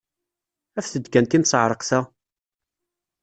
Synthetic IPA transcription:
æfθəd̪kænt̪imsˤəʕɾˤəqsæ

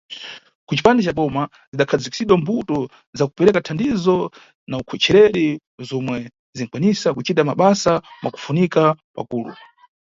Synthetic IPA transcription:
kut͡ʃi̥pandɛt͡ʃaɓɔma | ziɗakʰad͡ziki̥siɗwɔmbutɔ | zakupɛɾɛkatʰandizɔ | naukʰɛt͡ʃʰɛɾɛɾi | zɔmwɛ | zin̩kwanisakut͡ʃitamaɓasamʔa̰ku̥funikapa̰kuːlṵ

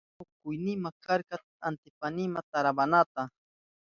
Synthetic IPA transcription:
ʊkʊjnɪmakaɾka | ant̪ɪpanɪmat̪aɾabanat̪a

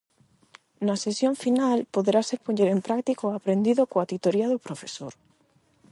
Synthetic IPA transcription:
nɐsesjoɱfinalpoðeɾasepoɲeɾempɾak̚t̪ikoapɾend̪iðokoat̪it̪oɾiɐðopɾofesoɾ

